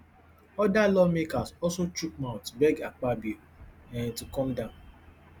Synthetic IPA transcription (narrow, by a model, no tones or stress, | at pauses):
ɔdalɔmekazɔlsot͡ʃuk̚mãʊ̃tbɛɡak͡pabi | ɛ̃ntukɔmdãʊ̃n